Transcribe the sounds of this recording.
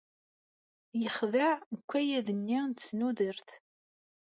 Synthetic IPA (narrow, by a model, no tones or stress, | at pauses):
jəχðəʕnkʷːæjæðənːint͡sːnuðəɾθ